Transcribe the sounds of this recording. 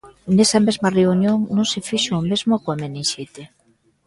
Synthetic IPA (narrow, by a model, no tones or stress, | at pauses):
nesɐmezmɐreunjoŋnõŋsɪfiʃoːmezmokwameniʃet̪e